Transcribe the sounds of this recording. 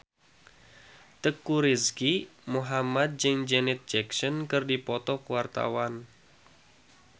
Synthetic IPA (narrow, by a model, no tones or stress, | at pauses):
t̪əkːuɾiskimuɦamad̪̚d͡ʒɨŋd͡ʒɛnɪt̪̚d͡ʒɛksɔnkɨrdipɔt̪ɔkuwart̪a̰wan